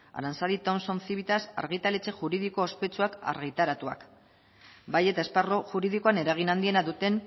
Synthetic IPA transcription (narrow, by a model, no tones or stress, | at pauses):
a̰ɾansalðit̪o̞mso̞nθiβit̪asa̰ɾɣit̪ale̞t͡se̞ʝuɾiðiko̞ːspe̞t͡ʃuaka̰ɾɣit̪aɾat̪ua̰k | baje̞t̪ae̞sparoʝuɾið̞ikoane̞ɾaɣ̞inand̪ie̞naðut̪e̞n